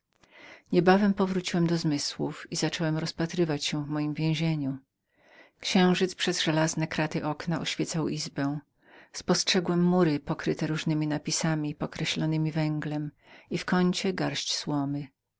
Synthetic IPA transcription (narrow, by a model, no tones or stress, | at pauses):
ɲɛbavɛmpɔvɾut͡ɕiwɛmd̪ɔzmɘswufizat͡ʂɔwɛmɾɔspat̪ɾɘvat͡ɕɕɛ̃vmɔjimvʲjɛ̃w̃ʑeɲu | kɕɛ̃w̃ʐɘt̪spʂɛzʐɛlaznɛkɾat̪ɘʔɔknaʔɔɕfʲjɛt̪sawʔizbɛ̃w̃ | spɔstʂɛɡwɛmːuɾɘpɔkɾɘt̪ɛɾuʐnɘmʲinapʲisamʲipɔkɾɛɕlɔnɘmʲivɛŋɡlɛm | ifkɔɲt͡ɕɛɡaɾɕt͡ɕswɔmɘ